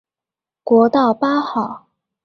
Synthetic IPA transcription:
kwɔ˧˥t̪ɑ˥˩ʊpa˥xɑ˥˩˦ʊ

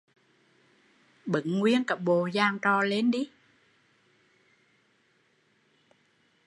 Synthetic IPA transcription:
ɓɨ̰˨˦ŋːwi˧ənkə˨˩p̚ɓo˨˩zaː˧ŋt͡ɕɔ˧˩le˧nɗi˧˦

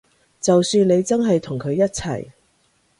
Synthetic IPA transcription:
t͡sɐ˨wsyː˧nle˨˧jt͡sɐ˥nɦɐ˨jt̪ʰʊ˨˩ŋkʰɵ˨˧ɥjɐ˥t̚t͡sʰɐ̰˨˩j

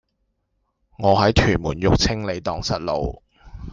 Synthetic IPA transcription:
ŋɔː˨˧ɦɐ˨˥jt̪ʰyː˨˩nmuː˨˩njʊ˨k̚t͡sʰɪ˥ŋle˨˧jt̪ɔː˨ŋsɐ̰˨t̚lo̰˨˧w

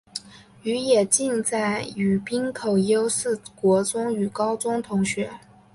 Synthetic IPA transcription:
y˧˥jɛ˨˩t͡ɕi˥˧nt͡sa˥˩ɪy˨˩pi˥nkʰo˨˩ʊjo˥ʊsɹ̩˥˩kwɔ˧˥t͡sʊ˥ŋy˨˩kɑ˥ʊt͡sʊ˥ŋt̪ʰʊ˧˥ŋɕɥɛ˧˥

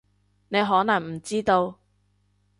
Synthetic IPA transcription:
ne˨˧jɦɔː˨˥nɐ˨˩ŋm̩˨˩t͡siː˥t̪o˧w

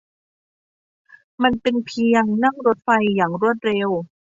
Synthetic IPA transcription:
ma˧nt̪e˧ŋpʰi˧əŋna˥˩ŋɾo˦˥t̪̚fa˧jːaː˨˩ŋɾu˥˩ət̪̚ɾe˧w

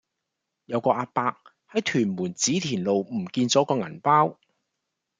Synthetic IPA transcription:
jɐ˨˧wkɔː˧ʔaː˧t̚paː˧k̚ | hɐ˨˥jt̪ʰyː˨˩nmuː˨˩nt͡siː˨˥t̪ʰiː˨˩nlo˨wm̩˨˩kiː˧nt͡sɔː˨˥kɔː˧ŋɐ˨˩npaː˥w

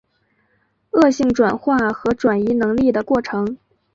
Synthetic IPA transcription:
ɤ˥˧ɕi˥˩ŋʈ͡ʂwa˨˩nxwa˥˩xɤ˧˥ʈ͡ʂwa˨˩ni˧˥nɤ˧˥ŋli˥˩d̪ə˩kwɔ˥˩ʈ͡ʂʰɤ˧˥ŋ

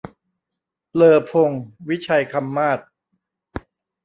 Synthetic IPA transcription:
lɤː˧pʰo˧ŋwi˦˥t͡ɕʰa˧jkʰa˧mːaː˥˩t̪̚

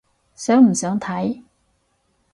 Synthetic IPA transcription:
sœː˨˥ŋm̩˨˩sœː˨˥ŋt̪ʰɐ˨˥j

